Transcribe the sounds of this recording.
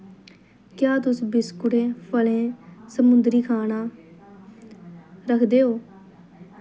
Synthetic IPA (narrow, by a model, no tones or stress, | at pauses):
kjaːt̪ʊsbɪskʊʈẽːpʰəlẽːsəmʊnd̪ɾiːkʰaːnaː | ɾəkʰd̪eːɦoː